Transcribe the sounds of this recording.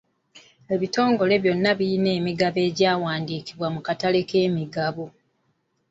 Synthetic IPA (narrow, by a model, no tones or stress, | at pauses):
e̞βito̞ːŋɡo̞le̞βjo̞nːaβiineːmiɡaβe̞ːɟaːwaːndiːkiβwamukatale̞ke̞ːmiɡaβo